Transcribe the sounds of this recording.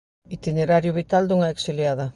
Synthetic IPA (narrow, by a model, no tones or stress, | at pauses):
it̪ʲineɾaɾjuβit̪ald̪uŋɑeksiliaða